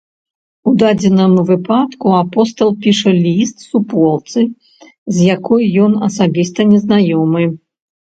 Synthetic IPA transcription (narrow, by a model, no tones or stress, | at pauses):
ud̪ad͡zʲɛnɐmvɨpat̪kuapɔst̪ɐlˠpʲiʂɐlʲist̪supɔlˠt̪sɨ | zʲjakɔjjɔnɐsabʲist̪ɐnʲɛznajɔmɨ